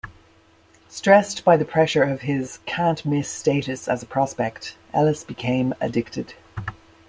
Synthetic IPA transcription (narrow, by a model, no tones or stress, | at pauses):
stɹ̥ɛsb̥aɪðɨpʰɹ̥ɛʃə˞ʌv̥ɪz̥kʰæ̃nʔmɪsteɪɾɨsəzəpʰɹ̥ɑspɛk̚tʔɛlˠəsb̥ɨkʰẽɪ̃mə̰dɪk̚tɨd̥